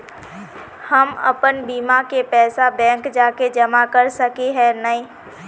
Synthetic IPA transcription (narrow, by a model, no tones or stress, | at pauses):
həmə̰pənbiːmakepɛːsabɛ̃ːŋkd͡ʒaːked͡ʒɐmakəɾsəkiɦɛnəĩː